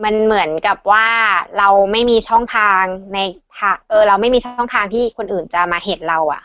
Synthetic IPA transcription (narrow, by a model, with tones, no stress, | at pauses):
ma˧nmɯ˩˦ənka˨˩p̚waː˥˩ɾa˧wma˥˩jmiː˧t͡ɕʰɔ˥˩ŋt̪ʰaː˧ŋna˧jt̪ʰaː˧ʔɤː˧ɾa˧wma˥˩jmiː˧t͡ɕʰɔ˥˩ŋt̪ʰaː˧ŋt̪ʰiː˥˩kʰo˧nʔɯː˨˩nt͡ɕa˨˩maː˧he˨˩t̪̚ɾa˧wʔa̰˨˩ʔ